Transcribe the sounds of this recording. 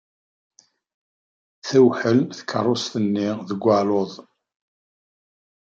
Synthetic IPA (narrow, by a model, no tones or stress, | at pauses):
θæwħəlmθə̥kʰːərˤːost̪ənːiðəɡʷːaloðˤ